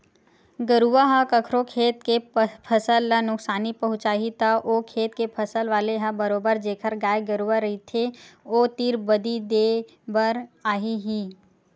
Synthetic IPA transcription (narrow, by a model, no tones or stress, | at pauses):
ɡəɾuʋaɦə̃kəkʰɾokʰeːt̪kepʰəsəlːənʊksaːnipɐɦʊ̃t͡ʃaːɦit̪aʔokʰeːt̪kepʰɐsəlʋaːleɦə̃bəɾoːbəɾd͡ʒeːkʰəɾɡaːjɡəɾuaɾɐɦit̪ʰeoːt̪iːɾbəd̪id̪eː | bəɾaːɦiɦiː